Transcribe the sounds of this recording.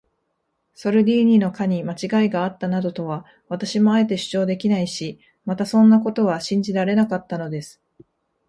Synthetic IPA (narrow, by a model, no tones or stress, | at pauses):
so̞ɾɯ̟d̪ʲiːɲ̟ino̞kaɲ̟imat͡ɕiɡaiɡaːt̪ːanad̪o̞t̪o̞βa | βat̪aɕimo̞ae̞t̪e̞ɕɨ̥t͡ɕo̞ːd̪e̞kʲinaiɕi | mat̪asõ̞nːako̞t̪o̞βaɕĩɲ̟d͡ʑiɾaɾe̞nakat̪ːano̞d̪e̞sɨ̥